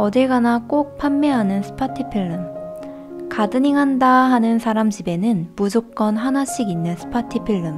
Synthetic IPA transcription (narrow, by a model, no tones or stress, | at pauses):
ʌdɯɭɡanak͈ok̚pʰamːeɦanɯnsʰɯ̥pʰatʰɯpʰiɭːɯm | kadɯɲiŋɦandaɦanɯnsʰaɾamd͡ʑibe̞nɯnmud͡ʑok̚k͈ʌnɦanaɕ͈iɡinːɯnsʰɯ̥pʰatʰɯpʰiɭːɯm